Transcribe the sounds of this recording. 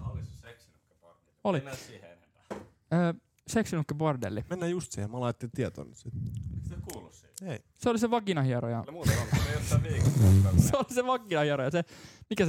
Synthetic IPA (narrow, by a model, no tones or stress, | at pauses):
liesnukːpor | olisienempæ | əː | seksinukːæpord̪ḛlːimenːæːjust̪siːhemɑlɑːˑt̪ːet̪iet̪o̰ːnyt̪sit̪isekuːlːus | ei | seoliseʋɑɡ̥inɑhiɑɾojɑ̰muːɑosʋiːseoliseʋɑɡinɑhiɑɾojɑsemikæs